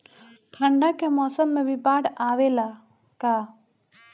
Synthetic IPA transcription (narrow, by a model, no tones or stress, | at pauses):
t̪ʰə̃ɳɖakemɔːsəmːẽbʱɪpaːɽaːʋela | kaː